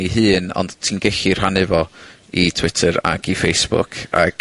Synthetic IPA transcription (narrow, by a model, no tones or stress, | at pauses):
iɦɨːnɔ̰nd̥tʰiːnɡɛɬir̥hanɨvɔ | itʰw̥ɪtʰəɾa̰ɡifejsb̥ʊ̰kʰa̰ɡ̥